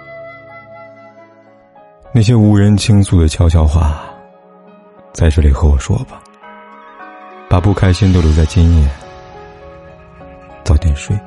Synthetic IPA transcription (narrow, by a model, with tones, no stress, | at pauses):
na˥˩ɕ̬jɛ˥u˧˥ɻə˧˥nt͡ɕʰi˥ŋt͡sʰu˨˥˩d̪ə˩t͡ɕʰjɑ˥ʊɕ̬ʰjɑ˥˧ʊxwa̰˥˩ | t͡sa˥˧ɪʈ͡ʂɤ˥˩li˨˩xɤ˧˥wɔ˨˩ʂwɔ̰˥bɐ̥˨ | pa˨˩pu˥˩kʰa˥ɪɕi˥nt̪o˥˧ʊljo˧˥t͡sa˥˩ɪt͡ɕi˥njɛ˥˩ | t͡sɑ˥˧ʊt̪jɛ˥˧nʂwe˥˩ɪ